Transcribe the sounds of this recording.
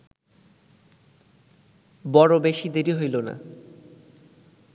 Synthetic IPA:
bɔɾobeʃid̪eɾiɦojlona̰

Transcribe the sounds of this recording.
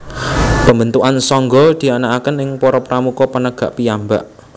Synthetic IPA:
pəmbənt̪uʔansɔŋɡɔd̪̥i̤anaʔakənɪŋpɔɾɔpɾamukɔpənəɡ̥a̤ʔpiamba̰ʔ

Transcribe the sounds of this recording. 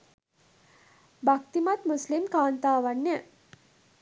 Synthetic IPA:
bak̚t̪imat̪muslimkaːnt̪aːʋanːe

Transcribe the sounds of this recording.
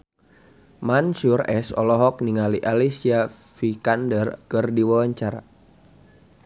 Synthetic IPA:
mansurɛsɔ̰lɔɦɔk̚niŋaliʔalisiafikandərkɨrdiwawaɲt͡ʃaɾa̰

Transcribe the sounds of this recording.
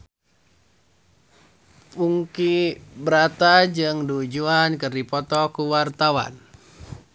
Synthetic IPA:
puŋkibəɾat̪ad͡ʒɨŋdud͡ʒuankɨrdipɔt̪ɔkuwart̪awa̰n

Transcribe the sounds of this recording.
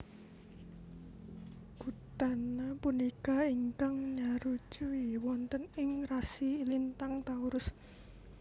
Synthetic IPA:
ɡ̥ut̪anapunikaiŋkaŋɲaɾu̥d͡ʒ̥uiwɔnt̪ənɪŋrasiːlint̪aŋt̪auɾʊs

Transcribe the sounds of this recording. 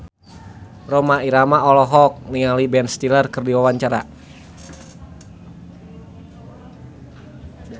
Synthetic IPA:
romaiɾamaɔlɔɦɔk̚niŋalibɛnst̪ilərkɨrdiwawaɲt͡ʃaɾa̰

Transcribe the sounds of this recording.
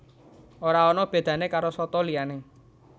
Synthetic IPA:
oɾaɔnɔb̥e̤d̪̥ä̤nekaɾosɔt̪ɔliane

